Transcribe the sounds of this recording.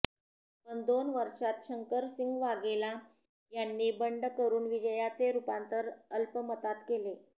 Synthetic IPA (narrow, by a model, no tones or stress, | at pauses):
bənd̪onʋəɾʂat̪̚ɕʰəŋkəɾsiŋɡʋaɡela | janːiːbəɳɖkəɾuːnʋid͡ʑəjat͡seɾupant̪əɾəlpəmət̪at̪kele